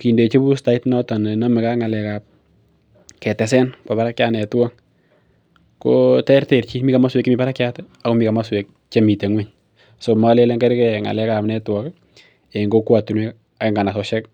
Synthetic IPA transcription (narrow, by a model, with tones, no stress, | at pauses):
ki˨nde˨t͡ʃe˦pu˦sta˨i˦tnɔ˦ta˨n˨na˦mɪ˨ka˦ŋa˨lɛ˨ka˨p̚ | kɛ˨tɛ˨s̬ɛ˦npa˨pa˦ɾa˦kja˦nɛ˨ta˦ŋ | kotɛ˦ɾte˨ɾt͡ʃi˦mi˦ka˨ma˦swe˨kːɪmi˨pa˦ɾa˦kja˦tɛ | a˨ko˦mi˨ka˨ma˦swe˨k̚ | t͡ʃe˦mi˨te˨ŋwe˦ɲ | so˨ma˨˦le˦le˦ŋkɛ˦ɾkɛ˨ŋa̰˨lɛ˦ka˨pnɛ˦twɔ˦k | e˨ŋɡo˦kwa˨tu˨nwɛ˦k | a˨kɪ˦ŋɡa˨na˨sɔ˨ʃɛ˦k̚